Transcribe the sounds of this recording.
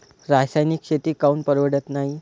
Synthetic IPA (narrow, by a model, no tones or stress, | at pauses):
ɾasajnikɕet̪iːkaunpəɾʋəɽət̪naɦi